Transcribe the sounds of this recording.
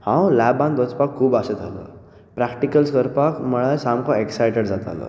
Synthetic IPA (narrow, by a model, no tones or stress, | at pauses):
hãwlabãnd̪ɔt͡spakʰːuːbasəd͡z̪ʰʱalə̰ | pɾakʈikəlskəɾpakməɭajsamkɔeksajʈəɽd͡zat̪a̰lə̰